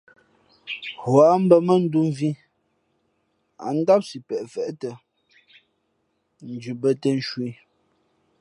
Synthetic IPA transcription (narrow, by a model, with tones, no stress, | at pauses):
hwa˨˦m̩˦bə˦mə˦n̩˦du˦m˦vi˦ | a̰˨n̩˦da˦p̚si˨pɛ˨ʔfɛ˨ʔtə˨ | n̩˨d͡ʒʉ˨bə˦tə˦n̩˦ʃwi˦